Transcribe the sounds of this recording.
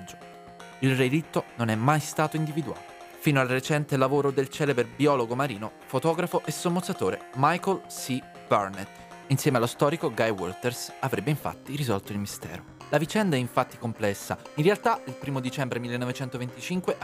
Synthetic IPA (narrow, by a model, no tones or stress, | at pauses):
d͡ʒo | ilrelit̪ːononɛmːajst̪aːt̪oind̪ivid̪ua̰ːo | fiːnoalret͡ʃɛnt̪elavoːɾod̪elt͡ʃɛːleberbiɔːloɡomaɾḭːnofot̪ɔːɡɾafoʔesːomːot̪sat̪oːɾḛmajkolsi | b̥arnet̪ː | insjɛːmealːost̪ɔːɾikoɡajwo̰lt̪ersavɾebːeiɱfa̰t̪ːiɾizɔlt̪oilmist̪ɛ̰ːɾo | lavit͡ʃɛnd̪aɛiɱfat̪ːikomplɛsːa̰inrealt̪ailpɾiːmod̪it͡ʃɛmbɾemilːenovet͡ʃɛnt̪ovent̪it͡ʃiŋkweʔ